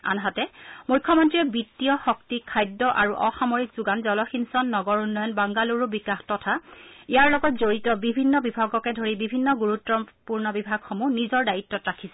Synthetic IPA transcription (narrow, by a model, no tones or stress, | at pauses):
a̰nɦatɛmujkʰːɔmɔntɹiɛbitːijɔxɔk̚tikʰːajdɔʔaɹuʔɔxamɔɹikz̥uɡanzɔlɔxinsɔnːɔɡɔɹunːɔjɔnbaŋɡaluɹubikaxtɔtʰaijaɹlɔɡɔt̚zoɹitɔbibʱinːɔbibʱaɡɔkɛdʱoɹibibʱinːɔɡuɹutːɔpuɹnɔbibʱaɡxɔmunizɔɹdajitːɔtɹakʰisɛ